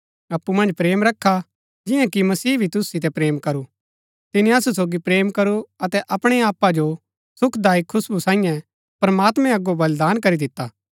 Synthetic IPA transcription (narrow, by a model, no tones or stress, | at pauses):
ɐpːumɐ̃nd͡ʒpɾeːmɾɐkʰːa | d͡ʒɪ̃jãkimɐsiːbʱit̪ʊssɪt̪̬ɛpɾeːmkɐɾu | t̪ɪnĩɐsus̬oːɡipɾeːmkɐɾuɐt̪ɛʔɐpɽ̃eaːpad͡ʒo | sʊkʰd̪aːikʰʊsbusãːĩjɛ̃ | pɾɐmaːt̪mɛ̃ɐɡobɐld̪aːnkɐɾid̪ɪt̪ːaː